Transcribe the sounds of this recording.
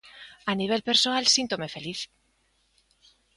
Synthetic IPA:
aniβ̞elpeɾsoalsint̪omefe̞liθ

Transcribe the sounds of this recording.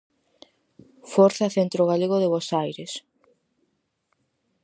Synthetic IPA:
foɾθaɐθent̪ɾoɣ̞aleɣoðeβosajɾes

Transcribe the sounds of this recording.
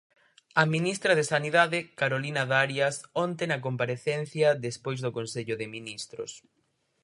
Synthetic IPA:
ɐminist̪ɾɐðɪsaniðaðɪkaɾolinɐðaɾjɐsɔnt̪enɐk̬ompaɾeθɛn̟θjɐðespojzðʊkonseʎʊðɪminist̪ɾʊ̰s

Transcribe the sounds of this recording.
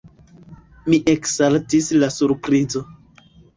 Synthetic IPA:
miʔekseltislasuɾpɾizo

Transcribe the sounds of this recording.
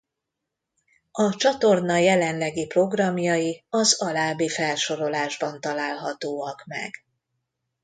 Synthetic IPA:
ɒt͡ʃɒt̪o̞rnɒjɛlɛnlɛɡipro̞ɡrɒmjɒjiɒzɒlaːbeːfɛlʃo̞ɾo̞laːʒbɒnt̪ɒlaːlɦɒt̪oːɒkmɛ̰ɡ

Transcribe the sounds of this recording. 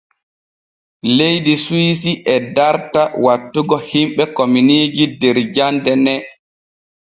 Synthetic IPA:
lejdiswiːsiʔɛdaɾtawatːuɡɔhimɓɛkominiːd͡ʒidɛɾd͡ʒandɛnɛ

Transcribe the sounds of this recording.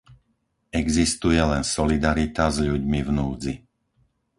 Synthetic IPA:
ɛɡzist̪ujɛlɛnsɔlid̪aɾit̪azʎuɟmivnuːd͡zi

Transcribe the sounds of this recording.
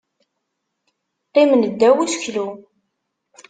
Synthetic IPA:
qːimənəd̪ːæwusçlu

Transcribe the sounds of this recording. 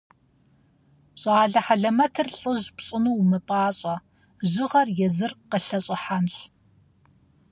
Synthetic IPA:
ɕʼaːɮɐħaɮɐmɐtʰɨrɬʼɨʑpɕʼɪnuwmɨpʼaːɕʼɐ | ʑɪʁɐrjɛzɨrqəɬɐɕʼɪħanɕ

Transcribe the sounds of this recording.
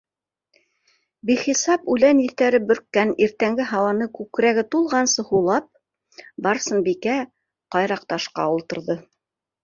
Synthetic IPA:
biχisɑpʉlæniθt̪æɾɘbɵ̆ɾkːæniɾt̪æŋɡɘɦɑwɑnɤkʉkɾæɡɘt̪ulˠʁɑnsɤhulˠɑp̚ | bɑɾsɤnbikæ | qɑjɾɑq̚t̪ɑʃqɑ̰ulˠt̪ɤ̆ɾðɤ

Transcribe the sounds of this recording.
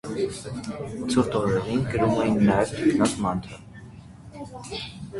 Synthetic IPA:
t͡sʰuɾt̪ɔɾɛɾinɡəɾumɛjinːɑjɛvt̪ʰɛknɑt͡smɑnt̪ʰɾə

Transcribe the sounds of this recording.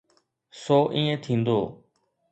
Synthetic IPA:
soːʔĩːẽːt̪ʰĩːnd̪oː

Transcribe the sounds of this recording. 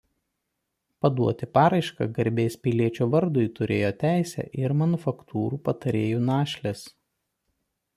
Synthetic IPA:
pɐd̪uɔt̪ʲɪpɑːɾɐɪʃkɑ̰ɡɐɾʲbʲeɪspʲɪlʲiɛt͡ʃʲuːʋɐɾd̪ʊɪt̪ʊɾʲeːjoːt̪ʲæˑɪsʲɛ̰ʔɪɾmɐnʊfɐkt̪ʰuːɾuːpɐt̪ɐɾʲeːjuːnɑːʃʲlʲes

